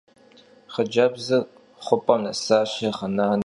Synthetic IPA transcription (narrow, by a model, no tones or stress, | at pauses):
χəd͡ʒɐbzɨ | χʷʊpʼɐnɐsaːʃɐχɐnaːn